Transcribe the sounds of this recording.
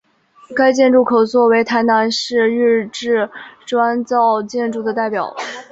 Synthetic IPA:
ka˥ɪt͡ɕjɛ˥˧nʈ͡ʂu˥˩kʰo˨˩ʊt͡swɔ˥˩we˧˥ɪt̪ʰa˧˥ɪna˧˥nʂɻ̩˥˧ɻ̩˥˧ʈ͡ʂɻ̩˥˩ʈ͡ʂwa˥nt͡sɑ˥˧ʊt͡ɕjɛ˥˧nʈ͡ʂu˥˩d̪ə˩t̪a˥˩ɪpjɑ˨˩˦ʊ

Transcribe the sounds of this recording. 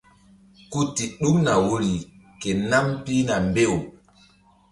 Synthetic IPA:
ku˦ti˨ɗu˦kna˨wo˦li˨ | ke˨na˦mpi˦na˨mbe˦˨w

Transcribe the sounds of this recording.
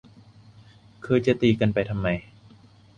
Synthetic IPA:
kʰɤː˧jt͡ɕa˨˩t̪iː˨˩ka˧npa˨jt̪ʰa˧mːa˧j

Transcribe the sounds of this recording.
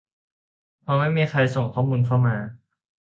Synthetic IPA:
pʰɔː˧ma˥˩jmiː˧xʰa˧jso˨˩ŋkʰɔː˥˩muː˧nkʰa˥˩wmaː˧

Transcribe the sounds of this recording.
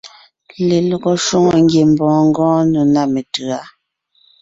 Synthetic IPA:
le˨lɔ˨ɡɔ˨ʃu˦ŋɔ˨ŋ˦ɡje˨m˨bɔ̃ː˨ŋ̩˦ɡɔ̃ː˦nə˨na˦me˨tɯ˨a˦

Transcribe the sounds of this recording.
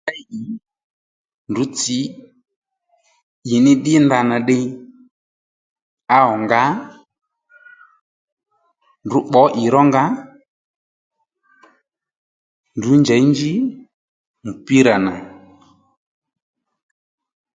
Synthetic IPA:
a˦ʔi˨ | ndu˨˦t͡si˨˦ | i˨nɪ˦ɗɪ˦nda˧na˨ɗɪ˧ | a˧˦ɔ˨ŋɡa˦ | ndu˨˦ɓɔ˨˦ʔi˨ɾɔ˦ŋɡa˦ | ndu˨˦nd͡ʒa˨˦i˦ɲd͡ʒi˦ | mu˨pi˦ɾa˨na˨

